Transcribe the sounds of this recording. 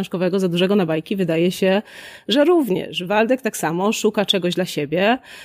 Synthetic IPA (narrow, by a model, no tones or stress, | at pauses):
ɛ̃ʂkɔvɛɡɔzad̪uʐɛɡɔnabajkʲivɘd̪ajɛɕɛʐɛɾuvɲɛ̰ʂvald̪ɛk̚t̪aksamɔʂukat͡ʂɛɡɔʑd̪laɕebʲjɛ